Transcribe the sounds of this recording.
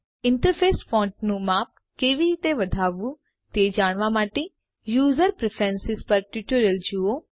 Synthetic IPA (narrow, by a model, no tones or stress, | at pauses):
ɪ̃ɳʈəɾpʰeːsfɔ̃ːɳʈ̚nũmaːp̚ | keːʋit̪eʋɐd̪ʱaːʋu | t̪eːd͡ʒaːɽ̃ʋamaːʈe | juːzəɾpɾepʰɛnsɪzpɐɾʈuːʈoɾəld͡ʒuo